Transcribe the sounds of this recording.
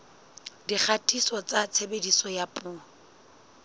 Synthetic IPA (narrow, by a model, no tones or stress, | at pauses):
dik͡xʰatʰʼisɔt͡sʼat͡sʰebedisɔjapʼuː